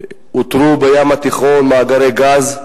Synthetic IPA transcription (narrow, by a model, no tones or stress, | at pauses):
ut̪ɾubejamat̪iχo̞nmaːɡaɾeɡaz